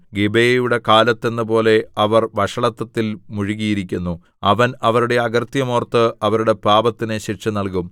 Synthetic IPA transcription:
ɡebejɐjuɽe̞kaːlɐt̪ːe̞nːɨpo̞ːle̞ɐʋɐrʋɐʂɐɭɐt̪ːɐt̪ːilmuɻiɣijiɾikʲːunːu | ɐʋɐnɐʋɐɾuɽe̞ɐɡɐrt̪jɐmoːrt̪ːɨɐʋɐɾuɽe̞paːbɐt̪ːineɕirʂɐnɐlk̬um

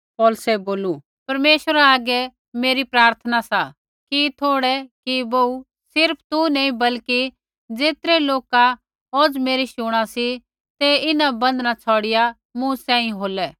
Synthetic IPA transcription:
pɔːlsɛboːlu | pɐɾmeːʃəɾaaːɡɛ | meːɾipɾaːɾt̪ʰənasa | kit̪ʰoːɽɛkibou | sɪɾpʰt̪unɛːĩbɐlki | d͡zeːt̪ɾɛloːka | oːd͡zmeːɾiʃʊɽ̃asi | t̪ɛɪnabɐ̃nd̪nat͡sʰɔːɽɪja | mʊ̃sɛ̃ːĩɦoːlɛ

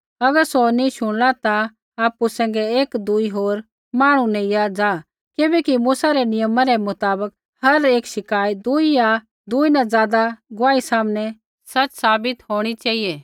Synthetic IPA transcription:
ɐɡəɾsonĩʃʊɽ̃lat̪a | aːpusɛ̃ːŋ̆ɡɛeːkd̪uiɦoːɾ | maːɽ̃unɛ̃ijad͡zaː | kɪbɛkimuːsaɾɛnɪjəmãɾɛmʊt̪aːbək | hɐɾeːkʃɪkaːid̪uija | d̪uːinãd͡zaːd̪aɡʊʋaːisaːmnɛ | sɐt͡ʃsaːbɪt̪ɦoːɽ̃it͡ʃaːijɛ

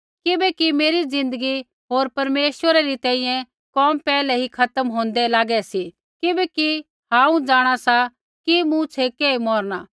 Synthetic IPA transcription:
kɪbɛkimeːɾid͡zɪ̃nd̪əɡi | ɦoːɾpɐɾmeːʃəɾaɾit̪ɛ̃ːĩjɛ̃ | kɔːmpɛːlɛɦikʰɐt̪əmɦõːnd̪ɛlaːɡɛsi | kɪbɛki | hãːũd͡zaːɽ̃asa | kimũt͡ʃʰekeːimɔːɾñaː

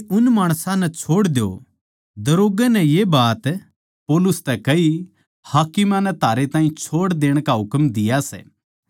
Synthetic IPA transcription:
ʊnmaːɽ̃sãnɛt͡ʃʰoːɽd̪jo̰ | d̪ɐɾoːɡɛnɛjebaːt̪ | poːlʊst̪ɛkɐi | haːkɪmãnɛt̪ʰaːɾet̪ãːĩt͡ʃʰoːɽd̪eːɽ̃kaɦʊkmd̪ɪjasɛ̰ː

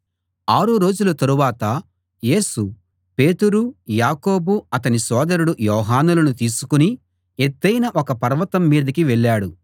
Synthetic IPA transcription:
aːɾuɾo̞ːd͡ʒulɐt̪ɐɾuʋaːt̪ɐ | je̞ːsu | pe̞ːt̪uɾujaːko̞ːbuɐt̪ɐnisɔːd̪ɐɾuɽujɔːɦaːnulɐnut̪iːsukuni | et̪ːɐjnɐʔɔkɐpɐɾʋɐt̪ɐmːiːd̪ɐkiʋɛɭːaːɽu

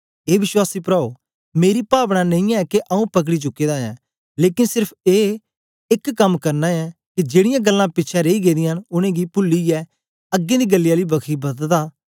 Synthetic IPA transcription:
eːʋɪʃwaːsiːpɾaːoː | meːɾiːpaːʋnãːnə̃ĩːɛːkeʔəũːpək̬ɽiːt͡ʃʊkːeːd̪aːɛː | leːkɪnsɪɾpʰeː | ɪkːəmkəɾnaːɛːkɪd͡ʒeːɽɪjãːɡəlːãːpɪtːt͡ʃʰaɾeːiːɡeːd̪ĩːaənʊñẽːɡiːpʊlːiːɛː | əɡːẽːd̪iːɡəlːɪjaːliːbəkʰiːbəd̪d̪aː

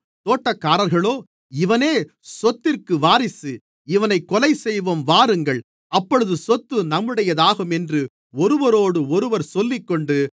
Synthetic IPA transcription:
t̪oːʈːɐkːaːɾɐɾɣɐɭoː | ɪʋɐneː | sɔt̪ːɪrkɯʋaːɾɪsɯ | ɪʋɐnɐɪkːɔlɐɪsɛjʋɐmʋaːɾɯŋɡɐɭ | ɐpːɔɻɯðɯsɔt̪ːɯnɐmːɯɽɐjɐðaːɣɯmɛndrɯ | ɔɾɯʋɐɾoːɽɯɔɾɯʋɐɾsɔlːɪkːɔɳɖɯ

